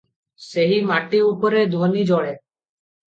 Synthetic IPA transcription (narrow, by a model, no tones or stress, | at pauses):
seɦimaʈiupɔɾed̪ʱonid͡ʒɔɭe